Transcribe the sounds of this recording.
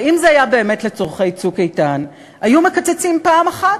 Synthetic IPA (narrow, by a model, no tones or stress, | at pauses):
imzeajabe̞ːme̞tle̞t͡soʁχe̞jt͡sukejtan | hajume̞kat͡set͡simpaːmaχat